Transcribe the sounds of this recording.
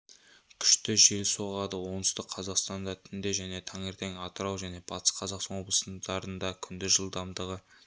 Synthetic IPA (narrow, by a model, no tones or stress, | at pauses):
kʲʰʏ̥ʃt̪ɪʒe̞lso̞ʁɑd̪əwo̞nʏst̪ɪqqʰɑzɑqst̪ɑnd̪ɑt̪ʰʏnd̪eʒæne̞t̪ʰɑɴe̞ɾt̪e̞ŋɑt̪əɾɑwʒæne̞b̥ɑt̪ə̥sqʰɑzɑqsɑnwo̞blˠə̥sənd̪ɑɾənd̪ɑkʲʰʏnd̪ɪʒəlˠd̪ɑmd̪əʁə